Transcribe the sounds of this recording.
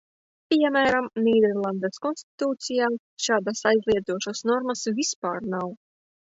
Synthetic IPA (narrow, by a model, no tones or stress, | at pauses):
pʲiɛmæːɾamnʲiːd̪ɛɾlˠand̪ɛskɔnsʲt̪i̥t̪uːt̪sijaː | ʃaːd̪asajzʲlʲˠiɛd̪uɔʃasnɔɾmasvʲispaːɾnaw